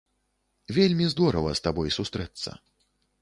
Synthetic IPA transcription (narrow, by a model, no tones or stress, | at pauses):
vʲelʲmʲizd̪ɔɾɐvɐ̰st̪abɔjsust̪ɾɛt̪sːɐ̰